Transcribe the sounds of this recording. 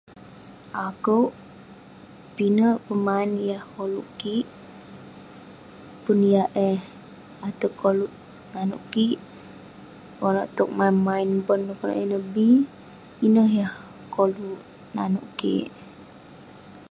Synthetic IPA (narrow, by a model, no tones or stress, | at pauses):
ʔakəwʔ | pinəʔpəmainjahkoluʔkiʔ | punjaʔɛh | at̪əkoluʔ | nanṵʔkiʔ | konə̰ʔt̪uk̚manmainbənːkɔna̰ʔɛnəbi | inəhjah | koluʔ | na̰nuʔkḭʔ